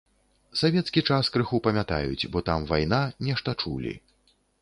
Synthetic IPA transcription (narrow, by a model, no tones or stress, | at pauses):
savʲɛt̪skʲit͡ʂaskɾɨxupɐmʲat̪a̰jṵt͡sʲbɔt̪amvajnanʲɛʂt̪ɐt͡ʂṵlʲḭ